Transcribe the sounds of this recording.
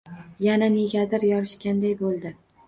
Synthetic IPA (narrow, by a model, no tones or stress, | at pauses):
janane̞ɡʲad̪ɪɾjɒɾɪʃkʲand̪ajbolˠd̪ɪ